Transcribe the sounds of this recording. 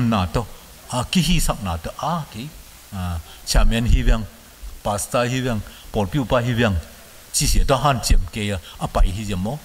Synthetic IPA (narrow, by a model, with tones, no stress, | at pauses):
mnaː˨tɔ˧ | a˧ki˦ɦi˦sa˨k̚naː˨t̪ɔ˦ʔa˦ke˨j | t͡ʃʰa˧˨mɛ˧˦nɦi˦βɛ˧˨ŋ | pa˨sta˧ɦi˦bɛ˧ŋpɔ˨lpi˦u˧pa˧ɦi˦βɛ˧˨ŋ | t͡ʃi˧si˨t̪ɔ˦ɦa˦˧˨nt͡ʃiɛ˨mke˧ja˧ʔa˧pɐ˨jɦi˦zɛ˨mːɔ˦